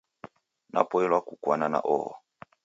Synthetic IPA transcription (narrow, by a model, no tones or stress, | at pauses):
nʔa̰pɔɛlwakukwanana̰ʔɔhɔ̰